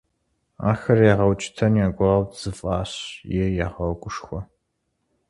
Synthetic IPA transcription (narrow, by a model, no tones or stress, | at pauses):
a̰ːxɐrjaʁɐwt͡ʃʼɪ̥tʰɐnjaɡʷawz̥ɨfʼaːɕjɛjaʁɐwɡʷʊʂxʷɔ